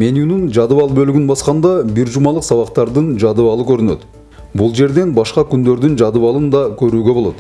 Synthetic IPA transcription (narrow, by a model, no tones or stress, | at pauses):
me̞njunɪnʒɑd̪əvɑlˠbɵlɪɡɪnbɑsqɑnd̪ɑbɪɾʒumɑlˠəqsɑβɑqt̪ɑɾd̪ənʒɑd̪əvɑlˠəkʲʰɵɾɪnøt̪ | bʊlˠʒe̞ɾd̪e̞nbɑʃqɑkʲʰʏnd̪e̞ɾd̪ɪnʒɑd̪əvɑlˠənd̪ɑkʲʰɵɾuːɡʲe̞bolˠot̪